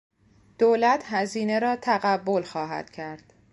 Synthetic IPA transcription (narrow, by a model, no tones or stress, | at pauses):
d̪̥oːlæt̪ʰhæziːne̞ɾɒːt̪ʰæɣæbːo̞lxɒːɦæ̰d̪̥cʰæɾd̪̥